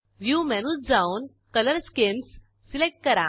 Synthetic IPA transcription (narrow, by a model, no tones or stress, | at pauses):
ʋjumɛnusd͡zaun | kələɾskensː | ilek̚ʈ̚kəɾã